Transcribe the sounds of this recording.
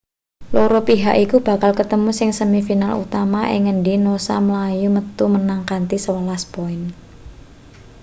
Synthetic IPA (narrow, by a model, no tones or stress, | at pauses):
loɾopiɦaʔikub̥a̤kalkət̪əmusɪŋsəmifinalṵt̪amaʔɪ̰ŋənɖinosa̰məlajumət̪umənaŋkant̪isəwəlaspoɪn